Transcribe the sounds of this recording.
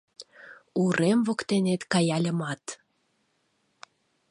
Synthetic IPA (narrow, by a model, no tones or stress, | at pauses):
uɾʔemvokt̪enet̪kɑjɑlʲə̆mɑt̪